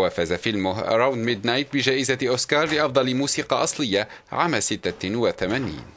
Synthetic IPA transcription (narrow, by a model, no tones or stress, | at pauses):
waːfazafɪlmʊɦʔa̰ɾˤawnd̪mɪd̪najt̪̚bɪd͡ʒaːʔɪzaʔʊskɑːɾˤlɪʔɑfd̪ˤɑlmuːsiːqɑʔɑsˤlɪjːaʕaːmasɪt̪ːawaθamaːnḭːn